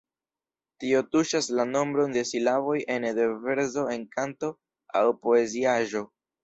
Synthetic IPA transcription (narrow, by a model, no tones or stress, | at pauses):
tio̞tuʃaslano̞mbɾo̞nde̞silavo̞jʔe̞ndeve̞ɾzo̞e̞nkanto̞ | a̰wpo̞e̞ziaʒo̞